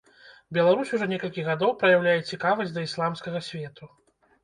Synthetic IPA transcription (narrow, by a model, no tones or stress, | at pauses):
bʲɛlˠaɾusʲuʐɔnʲɛkɐlʲkʲiɣad̪ɔwpɾɐjawlʲajɛt͡sʲikavɐzʲd̪ɐislˠamskɐɣɐsʲvʲɛt̪u